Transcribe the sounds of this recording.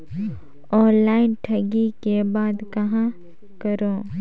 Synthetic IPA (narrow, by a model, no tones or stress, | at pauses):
ɔːnlaːɪnʈʰɐɡikebaːd̪kɐɦã | kəɾoː